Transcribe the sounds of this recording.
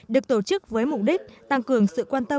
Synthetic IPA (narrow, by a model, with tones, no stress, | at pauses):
ɗɨ˨˩ək̚t̪o˧˩t͡ɕɨ˦˥k̚vəː˨˦jmʊ˨˩k͡p̚ɗï˦˥k̟̚t̪a˧ŋkɨ˨˩əŋsɨ̰˧˨kwaː˧nt̪ə˧